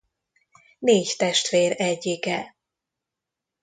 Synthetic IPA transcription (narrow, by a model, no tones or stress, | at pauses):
neːct̪ɛʃt̪ʋeːɾɛɟːikɛ